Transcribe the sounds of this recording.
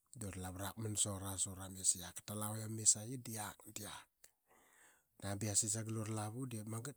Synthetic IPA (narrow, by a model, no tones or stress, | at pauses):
doɾlaβɾak̚mansoɾasoɾamesiakḁtalawjamesajidiakdiak̚ | nabiasis̬aɡaloɾlaβudiamaɡat